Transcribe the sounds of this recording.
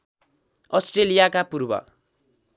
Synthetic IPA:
ʌsʈrelijakapurbʌ̰

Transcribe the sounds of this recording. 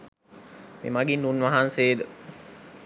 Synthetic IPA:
mḛmaɡinːunʋaɦanseːd̪ə

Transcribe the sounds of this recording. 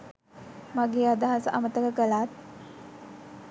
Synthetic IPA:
maɡeːad̪aɦasəamət̪əkəkəlaːt̪̚

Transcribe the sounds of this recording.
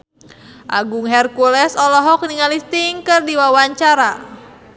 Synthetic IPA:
ʔa̰ɡuŋɦɛrkulɛsɔlɔɦɔk̚niŋalist̪iŋkɨrdiwawaɲt͡ʃaɾa

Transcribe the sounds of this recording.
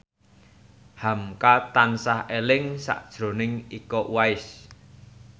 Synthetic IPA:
hamkat̪ansahelɪŋsa̰ʔd̥ʒ̥ɾo̤nɪŋikɔʔwaɪs

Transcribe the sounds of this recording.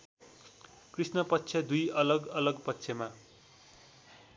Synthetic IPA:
krisnʌpʌtːsʰʌd̪ujʌlʌɡʌlʌɡpʌtːsʰʌma

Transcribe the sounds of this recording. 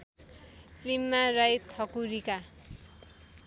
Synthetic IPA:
klimːarajt̪ʰʌkuɾika

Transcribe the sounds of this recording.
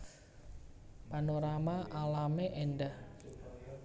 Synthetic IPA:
panoɾamaʔalameʔenɖah

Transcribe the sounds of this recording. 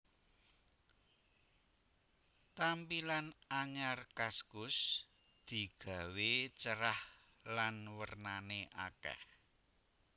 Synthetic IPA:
t̪ampilanaɲarkaskʊs | d̪̥i̤ɡ̥a̤wet͡ʃəɾah | lanwərnaneʔakɛ̰h

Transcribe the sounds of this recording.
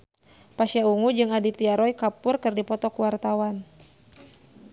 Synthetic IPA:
paʃjauŋud͡ʒɨŋadit̪iaɾɔjkapʊrkɨrdipɔt̪ɔkuwart̪awan

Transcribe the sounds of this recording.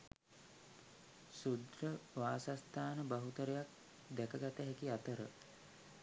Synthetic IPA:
sud̪rəʋaːsast̪aːnəbaɦut̪əɾejak̚ | d̪ɛkəɡat̪əɦɛkiat̪əɾə̰

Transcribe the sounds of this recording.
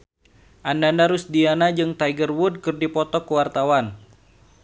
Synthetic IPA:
ʔandandaɾusdianad͡ʒɨŋt̪ajɡərwud̚kɨrdipɔt̪ɔkuwart̪awan

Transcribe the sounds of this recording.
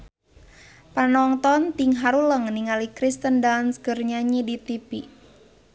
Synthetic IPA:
panɔŋt̪ɔnt̪iŋɦaɾuləŋniŋalikɾist̪əndansɡərɲaɲidit̪ipi

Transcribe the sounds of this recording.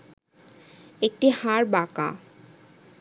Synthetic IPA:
ek̚ʈihãɹbakã̰

